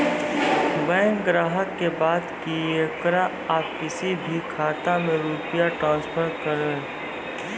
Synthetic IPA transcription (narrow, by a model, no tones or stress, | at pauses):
bɛ̃ːŋɡɾaːɦəkːebaːd̪kiekɾa | aːpkɪsibʱikʰaːt̪amẽɾuːpɪjaʈɾãːnspʰəɾkɐɾẽː